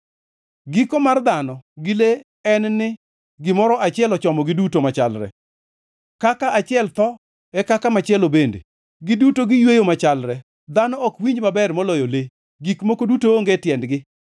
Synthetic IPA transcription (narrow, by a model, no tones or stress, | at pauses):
ɡikomard̪anɔɡɪle | ɛnnɪ | ɡɪmɔɾɔʔat͡ʃɪɛlɔt͡ʃɔmɔɡɪdutomat͡ʃalɾɛ̰ | kakaat͡ʃɪɛlt̪ɔ | ɛkakamat͡ʃɪɛlobendḛ | ɡɪdutoɡɪjwejomat͡ʃalɾɛ | d̪anɔːkwiɲd͡ʒmabɛrmɔlɔjole | ɡikmokodutoːŋɡetjɛndɡɪ